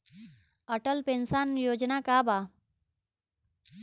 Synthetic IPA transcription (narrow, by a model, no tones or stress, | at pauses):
əʈəlpẽnsanjod͡ʒnakaba